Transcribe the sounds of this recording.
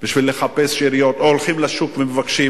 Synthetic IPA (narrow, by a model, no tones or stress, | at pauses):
b̥iʃvilːeχapesʃiɾijo̞t̪oolχimlaʃukvemevakʃi